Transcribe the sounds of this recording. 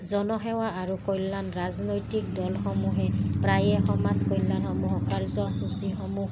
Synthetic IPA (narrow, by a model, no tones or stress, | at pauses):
zɔnɔɦɛwaaɹukojlːanɹaznojtik̚dɔlxɔmuɦɛpɹajɛxɔmaskojlːanɔmuɦɔkaɹzɔkʰusixɔmuh